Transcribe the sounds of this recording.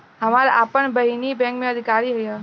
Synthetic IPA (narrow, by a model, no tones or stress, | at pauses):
ɦəmaɾʔapəɳbəɦinibɛ̃ŋkmẽəd̪ʱikaɾiɦəja